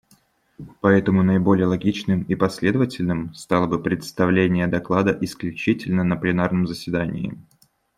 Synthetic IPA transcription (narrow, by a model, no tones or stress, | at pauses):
pɐɛt̪əmʊnəɪbo̞lʲɪjəlˠɐɡʲit͡ɕnɨmipɐsʲlʲed̪əvətʲɪlʲnɨmst̪ɑlˠəbɨpɾʲɪt̪st̪ɐvlʲenʲɪjəd̪ɐklˠad̪əʔɪsklʲʉt͡ɕitʲɪlʲnənəplʲɪnarnəmzəsʲvʲɪd̪anʲɪ̰ː